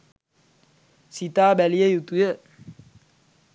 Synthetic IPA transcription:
sit̪aːbælijəjut̪ujə

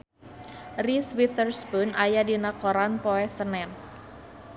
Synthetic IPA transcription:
riswit̪ərsbunʔajadinakɔɾanpɔɛsənɛn

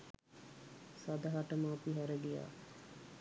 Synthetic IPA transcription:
sad̪aɦaʈəməːpiɦæɾəɡija̰ː

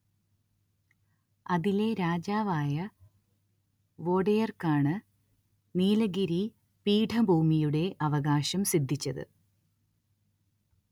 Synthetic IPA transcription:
ɐðileɾaːd͡ʑaːʋaːjɐ | ʋo̞ːɽɐjɐrkaːɳɨ | niːlɐɡiɾi | piːʈʰɐbʱuːmijuɽe̞ʔɐʋɐɣaːɕɐmsid̪ʱːit͡ɕːɐðɨ̰

